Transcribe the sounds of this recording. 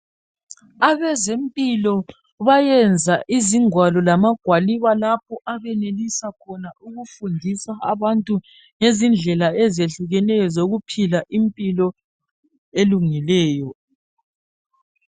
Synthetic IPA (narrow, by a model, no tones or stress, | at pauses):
aβɛzempʼilɔ | βajɛnd͡zʱaʔiziŋwalɔlamaɡ̥ʱwaliβalapʰɔʔaβɛnelisakʰɔnaʔuɣufundʱisaaβantʼu | ŋezind͡ɮʱɛlaɛzeɬuɣɛnɛjɔzoɣupʰilaʔimpʼilɔ | eluŋilɛːjɔ